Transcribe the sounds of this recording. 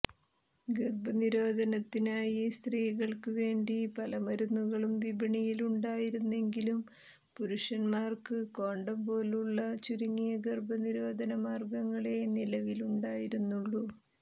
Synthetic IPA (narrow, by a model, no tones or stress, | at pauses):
ɡerbɐniɾo̞ːd̪ʱɐnɐt̪ːinaːjist̪riːɣɐɭkɨʋe̞ːɳɖipɐlɐmɐɾunːuɣɐɭumʋibiɳijiluɳɖaːjiɾunːe̞ŋɡilum | puɾuʂɐnmaːrkɨko̞ːɳɖɐmbo̞ːluɭːɐt͡ɕuɾiŋːijɐɡerbɐniɾo̞ːd̪ʱɐnɐmaːrɡɐŋːɐɭe̞nilɐʋiluɳɖaːjiɾunːuɭːu